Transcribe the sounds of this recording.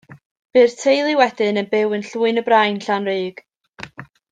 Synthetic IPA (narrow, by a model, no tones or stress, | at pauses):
b̥ɨːrtʰejlˠɪwɛdɨnənbɪwɨnɬuːɨnəbrajnɬanrɨːɡ̥